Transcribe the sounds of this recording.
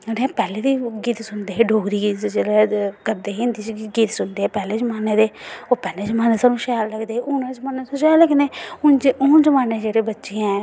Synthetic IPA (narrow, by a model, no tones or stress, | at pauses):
nːpɛːleːd̪iːɡiːt̪sʊnd̪eːɦeːɖoːɡɾiːɡid͡ʒeːlekəɾd̪eːɦẽːnd̪iːt͡ʃɡiːt̪sʊnd̪eːpɛːleːd͡ʒəmaːneːd̪eːoːpɛːleːd͡ʒmaːnesaːnũːʃɛːlləɡd̪eːʊnãd͡ʒəmaːnːʃɛːləɡneːʊnd͡ʒʊːnd͡ʒəmaːneːd͡ʒeːɽeːbətːʃeãɛ̃